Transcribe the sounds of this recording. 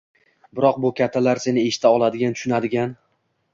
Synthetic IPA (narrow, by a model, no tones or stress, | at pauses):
bɪɾɒq̚bʊkʲʰat̪ʰːalaɾse̞nɪeʃɪ̥t̪ʰaɒlˠad̪ɪɡʲant̪ʰʊ̥ʃʊnad̪ɪɡʲan